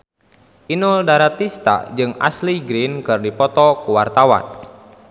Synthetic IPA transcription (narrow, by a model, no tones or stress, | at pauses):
ʔinʊldaɾat̪ist̪a̰d͡ʒɨŋa̰sliɡɾinkɨrdipɔt̪ɔkuwart̪awa̰n